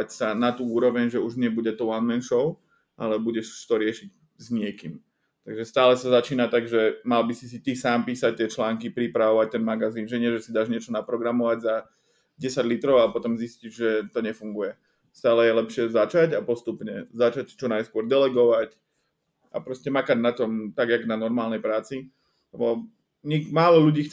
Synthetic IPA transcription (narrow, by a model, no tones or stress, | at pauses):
acsanat̪uːuːɾɔʋɛɲʒɛuʒɲɪɛbuɟɛt̪ɔʊanmɛnʃɔʊ | ʔalɛbuɟɛʃt̪ɔɾɪɛʃiɟ | zɲɪɛkim | t̪aɡʒɛst̪aːlɛsazat͡ʃiːnat̪aɡʒɛmalbisisit̪isaːmpiːsac̚t̪ɪɛt͡ʃlaːŋkipɾipɾaʋɔʋac̚t̪ɛnmaɡaziːnʒɛɲɪɛʒɛsid̪aʒɲɪɛt͡ʃɔnapɾɔɡɾamɔʋaɟza | ɟɛsaɟlit̪ɾɔʊapɔt̪ɔmziscid͡ʒʒɛt̪ɔɲɛfuŋɡujɛ | st̪aːlɛjɛlɛpʃɪɛzat͡ʃaɟapɔst̪upɲɛzat͡ʃact͡ʃɔnajskʊɔɾd̪ɛlɛɡɔʋac | a̰pɾɔscɛmakaɟnat̪ɔmt̪aɡjaɡnanɔɾmaːlnɛjpɾaːt͡si | lɛbɔ | ɲimaːlɔʎuɟiːx